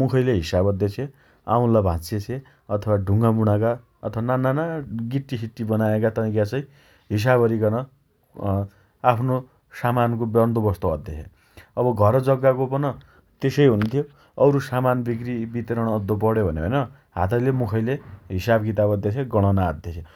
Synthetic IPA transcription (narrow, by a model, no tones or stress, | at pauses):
mukʰʌjleɦisabʌd̪ːjet͡sʰe | aũlabʱãt͡set͡sʰẽ | ʌt̪ʰʌwaɖʱuŋɡamuɽ̃aka | ʌt̪ʰʌwanananaɡiʈːisiʈːibʌnaekat̪ʌaj̃kjat͡sʌj | ɦis̬abʱʌɾiɡʌnʌ | apʰno | samankobʌnd̪obʌst̪oʌd̪ʱjee | ʌbʌɡʱʌɾʌd͡zʌɡːakopʌnʌ | t̪esʌjɦunt̪ʰjo | ʌwɾusamanbikɾibit̪ʌɾʌɽ̃ʌd̪ːop̬ʌɽjobʱʌneʌjnʌ | ɦat̪ʌjlemukʰʌjleɦisabkit̪abʌd̪jet͡sʰeɡʌɽ̃ʌnaːd̪jet͡sʰe